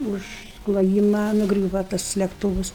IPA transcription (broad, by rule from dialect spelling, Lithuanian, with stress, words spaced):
ˈʊʃ klˠoːˈjiːmɐ nʊˈɡrʲuːʋɐ tɐs lʲɛkˈtuːʋʊs